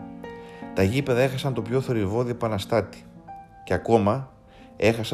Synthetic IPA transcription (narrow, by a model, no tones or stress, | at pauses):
t̪ɐʝipe̞ðɐe̞xɐsɐnt̪o̞pço̞θo̞ɾivo̞ðiepɐnɐst̪ɐt̪i̥ | ceɐko̞mɐ | e̞xɐs